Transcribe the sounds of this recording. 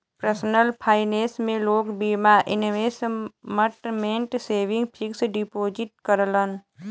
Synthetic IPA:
pɾəsnəlpʰaːɪneːsmẽloːɡbiːmaːʔɪnʋesməʈmẽɳʈseːʋɪ̃ŋɡpʰɪksɖipoːd͡ʒɪʈ̚kəɾlən

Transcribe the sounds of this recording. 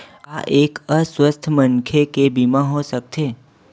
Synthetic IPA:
aʔeːkəswəst̪ʰmə̃nkʰekebimaɦosɐk̚t̪ʰeː

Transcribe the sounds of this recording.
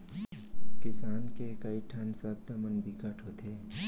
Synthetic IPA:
kɪsaːnkekaːiʈʰaːnsəb̚t̪əmənbʱikaʈʰɦoːt̪eː

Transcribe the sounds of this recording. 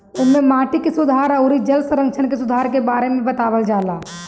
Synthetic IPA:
ʊnmẽmaːʈikesʊd̪ʱaːɾəʊɾid͡ʒɐlsəɾə̃ŋkʃənkesʊd̪ʱaːɾkebaːɾemẽbɐt̪aːʋəld͡ʒaːlaː

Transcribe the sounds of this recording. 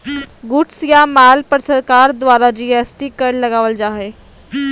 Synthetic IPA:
ɡuʈsjamalpəɾsəɾkaɾd̪ʋaɾad͡ʑiːesʈiːkəɽləɡaʋəld͡zaɦe

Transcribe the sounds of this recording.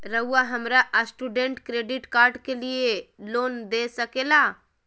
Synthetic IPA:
ɾəɦuaɦəmɾaʔəsʈuɖẽɳʈkɾeɖiʈkaɾɖkelijelond̪esəkela

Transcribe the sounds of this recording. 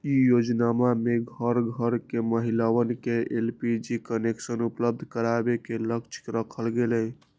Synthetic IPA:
ijod͡ʒnamameɡʱəɾɡʱəɾkeməɦiləwənkeʔelpid͡ʒikəneksənupləb̚d̪ʱkəɾabekeləkt͡ʃʰkɾəkʰəlɡeləj

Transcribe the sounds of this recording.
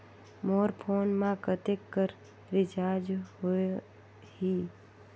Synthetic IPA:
moːɾpʰoːnmãkət̪ekːəɾ | ɾɪt͡ʃaːd͡ʒɦo | hiː

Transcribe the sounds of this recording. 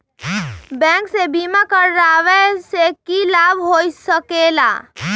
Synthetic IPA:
bɛ̃ksebimakəɾɾaʋɛsekilabʱɦojsəkela̰

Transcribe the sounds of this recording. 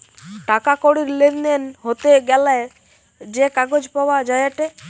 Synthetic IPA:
ʈakakoɽiɾleɡnenɦot̪eɡɛla | d͡ʒekaɡod͡ʒpawad͡ʒajaʈe

